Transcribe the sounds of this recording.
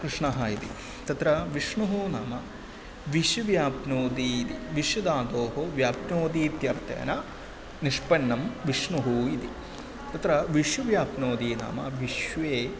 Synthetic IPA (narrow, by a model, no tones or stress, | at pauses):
kɾɨʂɳɐɦɐit̪ḭ | t̪ɐt̪ɾɐʋiʂɳuɦunaːmɐ | ʋiʃjuʋjaːpnoːd̪iːit̪iʋiʃjɐd̪aːd̪oːɦoʋjaːpnoːd̪iːt̪jɐɾt̪ḛːnɐ | niʂpɐnːɐmʋiʂɳuɦuid̪i | t̪ɐt̪ɾɐʋiʃjuʋjaːpnoːd̪iːna̰ːmɐ̰ʋiʂʋeː